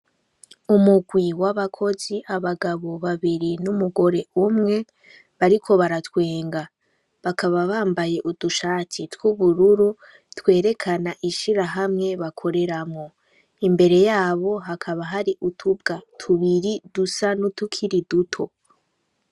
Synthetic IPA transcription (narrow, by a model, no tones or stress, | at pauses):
umuɡwiwaβakʰo̞ziʔaβaɡaβo̞βaβiɾinumuɡo̞ɾe̞umŋe̞ | βaɾikʰo̞βaɾatwe̞ːŋɡa | βakʰaβaβaːmbaje̞ʔuduʃaːtitwuβuɾuɾu | twe̞ːɾe̞kʰanaʔiʃiɾaɦamŋe̞βakʰo̞ɾe̞ɾamŋo̞ | imbe̞ɾe̞jaːβo̞ɦakʰaβaɦaɾiʔutʰub̚ɡatʰuβiɾidusanutukʰiɾidutʰo̞